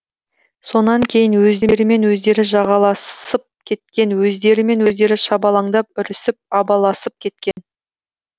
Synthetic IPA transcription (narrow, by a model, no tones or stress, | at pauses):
so̞nɑŋkʲʰe̞jɪnwɵzd̪e̞ɾɪme̞nwɵzd̪e̞ɾɪʒɑʁɑlˠɑsəp̚kʲʰe̞t̪̚kʲe̞nwɵzd̪e̞ɾɪme̞nwɵzd̪e̞ɾɪʃɑbɑlˠɑŋd̪ɑp̚ʏɾɪsɪp̚ɑbɑlˠɑsəp̚kʲʰe̞t̪̚kʲe̞n